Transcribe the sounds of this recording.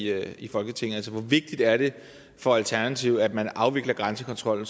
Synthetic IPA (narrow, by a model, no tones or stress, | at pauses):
øifɒ̽lɡ̥ət͡sʰe̝ŋ̩ælsəʋɒʋe̝ɡ̥̚d̥id̥æɐɾ̥e̝ | fɒ̽ælt͡sʰæɐnæt͡sʰiʊ̰æd̥mænɑ̈ʊʋe̝ɡ̥lɐɡ̥ʁɑ̈nsəkʰɒ̽nt͡sʰʁɒ̽l̰n̩